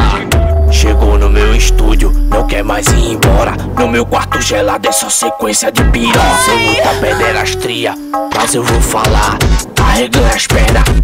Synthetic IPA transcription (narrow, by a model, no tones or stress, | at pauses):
ʃeɡownʊmewiʃt̪ud͡ʒjʊnɐ̃w̃kɛɾmajzĩẽbɔɾɐ̰ | nʊmewkwaɾt̪ʊʒɛlad̪ɛsɔ̃sekwẽsjɐd͡ʒɪpiɾõsẽmũj̃t̪ɐped̪ɛɾaʃt̪ɾiɐ | mazewvowfalaɾaheɡɐ̃ɲaʃpɛɾd̪ɐ